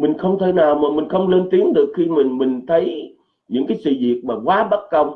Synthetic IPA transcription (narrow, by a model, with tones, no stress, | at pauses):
mï˨˩ŋ̟xə˧wŋ͡mt̪ʰe˨˦jnaː˨˩wmaː˨˩mï˨˩ŋ̟xə˧wŋ͡mle˧nt̪i˨˦əŋɗɨ˨˩ək̚xi˧mï˨˩ŋ̟mï˨˩ŋ̟t̪ʰə˨˦j | ɲɨ̰˧˥ŋkaː˨˦jsɨ̰˧˨zḭ˨˩ət̚maː˨˩kwaː˨˦ɓa˦˥t̚kə˧wŋ͡m